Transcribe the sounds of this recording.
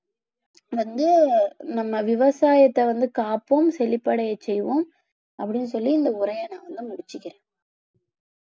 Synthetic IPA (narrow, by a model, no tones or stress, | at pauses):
ʋɐnd̪ɯnɐmːɐʋɪʋɐsaːjɐt̪ːɛʋɐnd̪ɯkaːpːomsɛlɪpːɐɽɐjɐt͡ʃːɛjʋõm | ɐpːɐɽɪnːɯsɔlːiɪnd̪ɐʊɾɐjɐnãːʋɐnd̪ɯmʊɽɪt͡ʃːɪkːɪɾẽː